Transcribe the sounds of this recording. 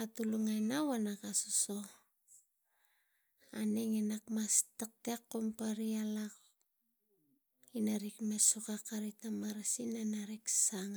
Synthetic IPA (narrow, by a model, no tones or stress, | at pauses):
atuluŋajnawanakasoso̞ | aneŋenakmastek̚tekːompaɾialak | inaɾikmesukakaɾitamaɾasinanaɾiksaŋ